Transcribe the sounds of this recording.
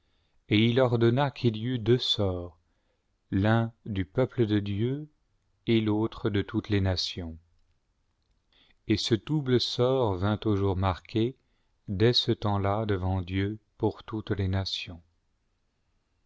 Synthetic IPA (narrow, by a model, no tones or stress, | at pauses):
eilɔʁd̪ɔnakʰiliyd̪øsɔːʁ | lɛ̃d̪ypœpləd̪əd̪jø | elot̪χəd̪ət̪ut̪lenasjɔ̃ | esəd̪ubləsɔʁvɛ̃t̪uʒuʁmaʁkʲʰe | d̪ɛsət̪ɑ̃lad̪əvɑ̃d̪jøpuʁt̪ut̪lenasjɔ̃